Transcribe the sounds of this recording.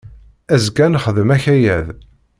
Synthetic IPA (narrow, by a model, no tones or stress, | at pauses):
æzɡænχəðəmæçæjæð